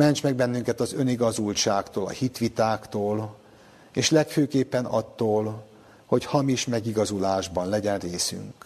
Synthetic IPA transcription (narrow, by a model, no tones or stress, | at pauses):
mɛɲt͡ʃmɛɡ̚bɛnːyŋkɛt̪ɒzø̞niɡɒzult͡ʃaːkt̪oːlɒ̰hit̪ʋit̪aːkt̪oːl | eːʃlɛkføːkeːpːɛnɒ̰t̪ːoːl | ho̞chɒmiʃmɛɡiɡɒzulaːʒbɒnlɛɟɛnreːsy̰ŋk